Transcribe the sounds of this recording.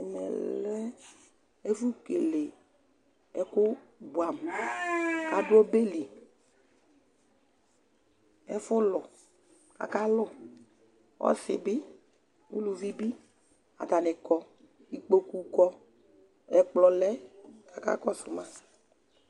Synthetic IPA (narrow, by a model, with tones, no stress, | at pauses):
ɛ˨mɛ̰˨lɛ˦ | e˦fu˦ke˨le˨ | ɛ˨kʊ˦bu˨a˨m | ka˨dʊ˦ɔ˦be˦li˨ | ɛ˦fʊ˦lʊ˨ | ka̰˨ka˦lʊ˦˨ | wɔ̰˦sɪ̰˨bɪ˦ | u˦lu˨vi˦bi˦ | a̰˨t̪a˨nɪ˨kɔ˦ | i˨k͡po˦ku˨kɔ˦ | ɛ˨k͡plɔ˨lɛ˦ka˨ka̰˦kɔ˦sʊ˨mã˦